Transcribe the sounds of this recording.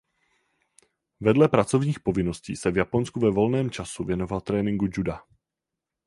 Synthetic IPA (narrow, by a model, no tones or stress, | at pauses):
vɛdlɛpɾat͡so̞vɲiːxpo̞vɪno̞scḭːsɛvjapo̞nskuvɛvo̞lnɛːmt͡ʃasuvjɛno̞valt̪ɾɛːnɪŋɡud͡ʒuda